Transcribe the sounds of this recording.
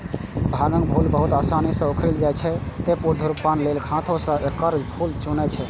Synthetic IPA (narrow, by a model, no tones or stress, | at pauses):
bʱaɡə̃ŋɡbʱulbəɦut̪asanisə̃okʰɾeld͡ʒat͡ʃʰɛt̪epuɾd̪ʱuɾupːanlelkʰãt̪ʰõsə̃ʔekəɾd͡ʒbʱʰult͡ʃunɛt͡ʃʰɛ